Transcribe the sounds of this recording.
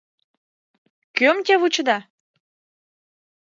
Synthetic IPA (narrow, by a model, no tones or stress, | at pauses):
kømt̪ʲeβut͡ɕə̆d̪ɑ